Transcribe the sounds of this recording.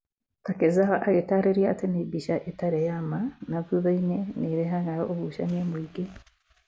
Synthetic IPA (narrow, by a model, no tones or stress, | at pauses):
takezaɦaʔaɣetaɾeɾjatenebiʃaʔetaɾejamanavuβaineniβeɦaŋɡajoʔoβuʃa̰nemwiːɡe